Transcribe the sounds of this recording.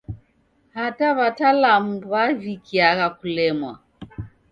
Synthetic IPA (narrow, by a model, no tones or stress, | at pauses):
hataβatalamuβavikiaɣakulɛmwa